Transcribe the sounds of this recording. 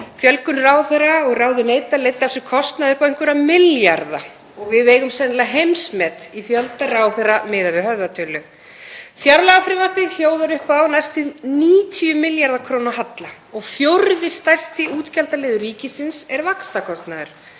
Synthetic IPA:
fjœlkʏnraːwθɛraɔɣraːwðʏneːjt̪aleːjt̪asʏkʰɔst̪naðɪkɛjŋ̥kʏɾamɪljaɾða̰ | ɔɣvɪðeːjɣʏmsɛnɪlaɦejmsmɛːt̪ifjœlt̪araːwθeramɪːðavɪɦœvðat̪ʰœlʏ | fjaɾlaɣafɾɪvapɪɣl̥joːwðaɾʏhpaːwnajst̪ɪðniːt̪ʰiʏmɪljaɾðakʰɾownaɦat̪la | ɔɣfjowɾðɪst̪ajst̪ɪʔuːt̪calt̪aleːðʏɾiːcɪsɪnsɛɾvakst̪akʰɔst̪naðʏɾ̥

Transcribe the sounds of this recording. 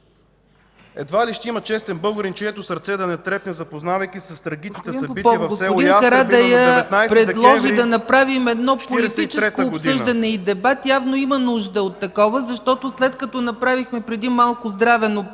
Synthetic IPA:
ɛ̰d̪valiʃt̪imət͡ʃɛst̪ɛnbɤɡʊɾint͡ʃɛɛt̪ʊsɐɾt̪sɛd̪ɐnɛt̪ɾɛpnɛzɐpoznavɐjkisɐst̪ɾɐɡʲit͡ʃni̥t̪ɛdinsɐpbitpɔɡosɛʊikɐɾad̪ɛjənajpɾɾɛd̪d̪lˠɔʒid̪ɐnɐpɾavimɛd̪nɔpolit̪it͡ʃɛskoːpsɤʒd̪ɐnɛid̪ɛbat̪javnoimənuʒd̪əot̪ːɐkɔvəzɐʃt̪ɔt̪oslɛt̪kɐt̪ɔnɐpɾavixmɛpɾɛd̪imalˠkʊzd̪ɾavɛno

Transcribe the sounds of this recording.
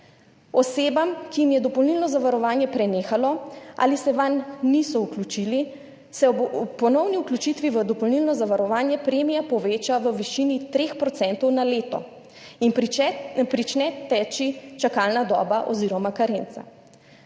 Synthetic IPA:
ɔseːbamkijimjɛd̪ɔpɔlnilnɔzaʋaɾɔʋaːnjɛpɾɛneːxalɔʔa̰ːlisɛʋanːisɔuklut͡ʃiːli | sɛpɔnɔwniuklut͡ʃit̪ʋiʋəd̪ɔpɔlniːlnɔzaʋaɾɔʋaːnjɛpɾeːmijapɔʋeːt͡ʃaʋəʋiʃiːnit̪ɾeːxpɾɔt̪sɛnt̪ɔwnaleːt̪ɔ̰ | in | pɾit͡ʃnɛt̪ɛt͡ʃit͡ʃakaːlnad̪ɔ̰ːbaʔɔ̰ziɾɔmakaɾent̪sa̰

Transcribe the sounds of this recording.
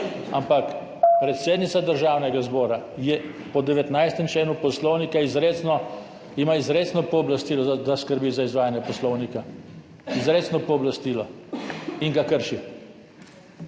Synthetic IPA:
a̰mpak | pɾɛt̪seːd̪nit̪sad̪əɾʒaːwnɛɡazbɔːɾajɛ | pɔd̪ɛʋɛt̪najst̪ɛmt͡ʃlɛːnupɔslɔwnikaizɾeːt̪snɔ | imaizɾeːt̪snɔpɔːblast̪iːlɔd̪askəɾbiːzaizʋaːjanjɛpɔslɔwnika | izɾeːt̪snɔpɔːblast̪iːlɔ | iŋɡakəɾʃi

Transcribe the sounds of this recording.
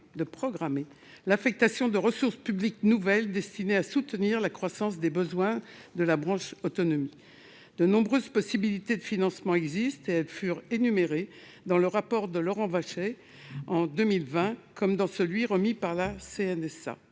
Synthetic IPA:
d̪əpχɔɡʁame | lafɛk̚t̪asjɔ̃d̪əʁəsuʁspyblik̚nuvɛld̪ɛst̪ineasut̪niʁlakχwasɑ̃s̬d̪ebəzwɛ̃d̪əlabʁɑ̃ʃot̪ɔnɔmi | d̪ənɔ̃bʁøzpɔsibilit̪ed̪əfinɑ̃smɑ̃ɛɡzist̪eɛlfyʁenymeʁe | d̪ɑ̃ləʁapɔʁd̪əlɔʁɑ̃vaʃɛ | ɑ̃d̪ømilvɛ̃kɔmd̪ɑ̃səlɥiʁəmipaʁlaseɛnɛsa̰

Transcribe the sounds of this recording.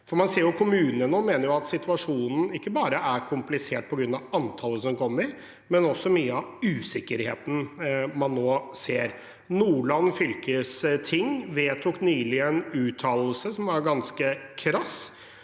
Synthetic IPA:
fɔɾmɑnseːɾjʊkʰʊmʉːnənənoːmeːnəɾjʊɑt̪sɪt̪ʰʋɑʂuːnn̩ɪkːəbɑːɾəʔæɾkʰʊmplɪseːʈ̚pʰɔɡɾʉnːɑʋɑnt̪ʰɑːləsɔmkʰɔmːəɾ | mɛnɔsːɔmyːəɑʋʉːsɪkːəɾhḛːt̪n̩mɑnːoːseːɾ | nuːɭɑnfʏlkəst̪ʰɪŋːʋeːt̪ʰuknyːlɪɛnʉːt̪ʰɑːllsəsɔmʋɑɾɡɑnskəkʰɾɑs

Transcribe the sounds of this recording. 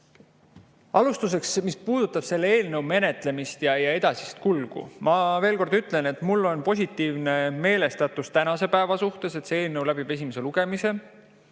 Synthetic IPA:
ɑlust̪us̬e̞ksmispuːd̪̥ut̪ːˑɑb̥se̞lːeeːlnɤwme̞ne̞t̪ˑle̞mist̪jɑjɑe̞d̪̥ɑsist̪̚kulɡ̥ṵmɑve̞ːlko̞rd̪yt̪ˑle̞ne̞t̪mulːo̞npo̞s̬ʲit̪ːˑiːvne̞me̞ːle̞st̪ɑt̪ːˑust̪ænɑse̞pæevɑsuht̪e̞se̞t̪see̞ːlnɤwlæb̥ib̥e̞s̬ʲimese̞luɡ̥e̞mise̞

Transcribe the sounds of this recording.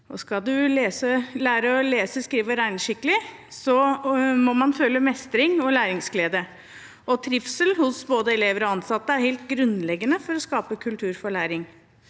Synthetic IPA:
ʔɔskɑlˠd̪ʉleːsəlæːɾəɔleːsəskɾiːʋəɾæɪnʂɪkːəlɪ | sɔmɔmɑnføːlːəmɛst̪ɾɪŋɔlæːɾɪŋsɡleːd̪ə | ʔɔt̪ʰɾɪfsəlhʊsboːd̪əɛleːʋəɾɔɑnsɑt̪ːəæɾheɪlt̪ɡɾʉnlɛɡːənəfɔɾɔskɑːpəkʰʉlt̪ʰʉːɾfɔɭæːɾɪŋ

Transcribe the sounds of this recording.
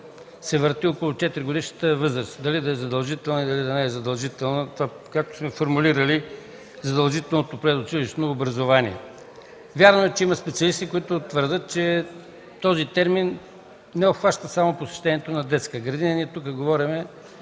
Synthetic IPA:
sɛvəɾt̪iokʊlˠʊt͡ʃɛt̪iɾiɡʊd̪iʃnət̪əvɤzɾəst̪d̪ɐlid̪ɐɛzɐd̪ɐlˠʒit̪ɛlˠnəid̪ɐlid̪ɐnɛɛzɐd̪ɐlˠʒit̪ɛlˠnət̪va | kak̚t̪o̥smɛfoɾmuliɾəli | zɐd̪ɐlˠʒit̪ɛlˠnot̪opɾɛzot͡ʃiliʃnoːbɾɐzovaniɛ̰ | vʲjaɾnoɛt͡ʃɛimɐspɛt̪siɐlist̪ikoit̪ʊt̪vəɾd̪ət̪̚t͡ʃɛ | t̪ɔzit̪ɛɾmin | nɛopxvaʃt̪əsamoposɛ̥ʃt̪ɛnijɛt̪onɐd̪ɛt̪skəɡɾɐd̪inəniɛt̪uk̬əɡovɔɾimɛ

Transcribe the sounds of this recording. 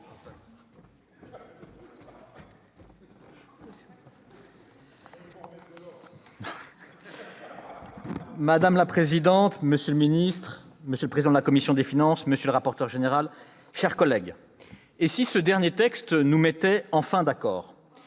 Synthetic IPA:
mad̪amlapχezid̪ɑ̃t̪məsjøləminist̪χ | məsjøləpχezid̪ɑ̃d̪əlakɔmisjɔ̃d̪efinɑ̃sməsjələʁapɔʁt̪œʁʒeneʁal | ʃɛʁkɔlɛɡ | esisəd̪ɛʁnjet̪ɛkst̪numɛt̪ɛɑ̃fɛ̃d̪akɔːʁ

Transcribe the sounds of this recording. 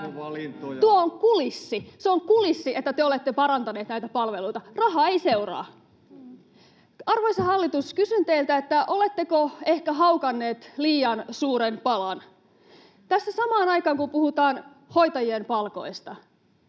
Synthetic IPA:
uooŋkulisːiseoŋkulisːiʔet̪ːæt̪eole̞t̪ːepɑɾɑnt̪ɑneːt̪næit̪æpɑlʋelujt̪ɑrɑɦɑeise̞urɑ̰ː | ɑrʋoisɑhɑlːit̪uskysynt̪eilt̪æet̪ːæʔo̞le̞t̪ːekoe̞hkæɦɑwkɑnːe̞ːt̪liːɑnsuːɾenpɑlɑn | t̪æsːæsɑmɑːnɑjkɑːŋkumpuhut̪ɑːn | ho̞jt̪ɑjiempɑlko̞̰ist̪ɑ

